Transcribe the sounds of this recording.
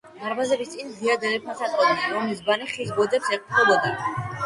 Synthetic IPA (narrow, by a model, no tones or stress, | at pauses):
d̪aɾbazɛbist̪sʼind̪iad̪ɛɾɛpʰasat̪ʼɔd̪ɛsɔmisbaniχisbɔd̪ɛpsɛqʼp̪ʰɾɛbɔd̪a